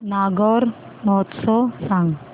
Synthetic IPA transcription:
naɡɔːɾ | mɔt̪sɔsãŋɡ

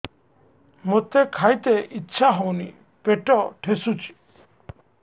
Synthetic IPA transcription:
mot̪ekʰajt̪eʔitːʃʰaɦownḭ | peʈɔʈʰesut͡ʃʰi̥

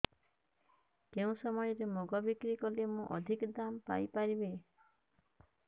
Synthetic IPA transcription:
keũsɔmɔjɔɾemoɡɔbikɾikɔlemũʔɔd̪ʱikɔd̪ampa̰jpaɾibe

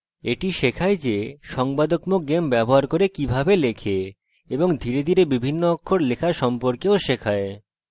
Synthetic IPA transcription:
eʈiʃekʰaed͡ʑeʃɔŋbad̪okmoɡembɛboɦaɾkoɾekibʱabelekʰe | eboŋd̪ʱiɾed̪ʱiɾebibʱinːoɔkʰːoɾlekʰaʃɔmpoɾkeoʃekʰae

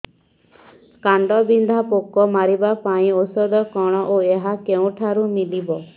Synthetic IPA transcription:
kaɳɖɔbind̪ʱapokɔmaɾibapaĩosɔd̪ɔkɔɽ̃ɔʔoeɦakeũʈʰaɾumilibɔ

